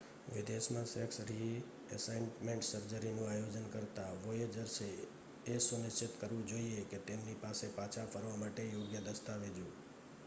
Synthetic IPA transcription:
ʋɪd̪eʃmãsɛksɾi | əsajnmẽɳʈsəɾd͡ʒəɾinũajod͡ʒənkəɾt̪aʋojed͡ʒəɾʃeː | sʊnɪʃt͡ʃɪt̪kəɾʋũd͡ʒoieket̪emnipasepat͡ʃʰafʰəɾʋamaʈejoɡjəd̪əst̪aʋed͡ʒũ

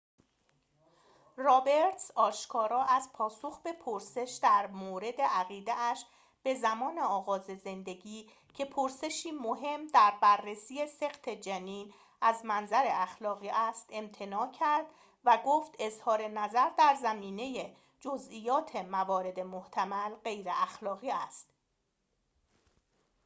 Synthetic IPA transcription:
rɒːbe̞ɾt̪ʰsɒːʃkʰɒːɾɒːʔæzpʰɒːsoxbe̞pʰoɾse̞ʃd̪æɾmoːɾe̞d̪e̞ʔæɣiːd̪eæʃ | b̥e̞zæmɒːne̞ɒːɣɒːze̞ze̞nd̪e̞ɟiː | cʰe̞pʰoɾse̞ʃiːmoɦe̞md̪æɾbærːesiːese̞ɣt̪ʰe̞d͡ʒæniːn | æzmænzæɾe̞æxlɒːɣiːʔæst̪e̞mt̪ʰe̞nɒːcʰæɾd̪ | væɡoːft̪e̞zhɒːɾe̞næzæɾd̪æɾzæmiːne̞je | d͡ʒozʔiːjɒːt̪ʰe̞mævɒːɾe̞d̪e̞moht̪ʰæmælɢe̞jɾeʔæxlɒːɣiːæst̪

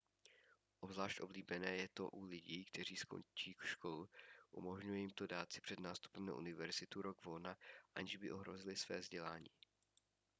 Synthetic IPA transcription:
ʔo̞bzlaːʃt̪ʔo̞bliːbɛnɛːjɛt̪o̞̰ʔulɪɟiːkt̪ɛr̝iːsko̞̰nt͡ʃiːkʃkolʔṵmo̞ʒɲujɛjimt̪odaːt͡sɪ̥pr̝̥ɛd̪naːst̪u̥pɛmna̰ʔṵnɪvɛɾzɪt̪uɾoɡvolnaʔaɲɪʒbɪʔo̞ɦɾo̞zɪlɪsvɛ̰ːvzɟɛlaːɲḭː

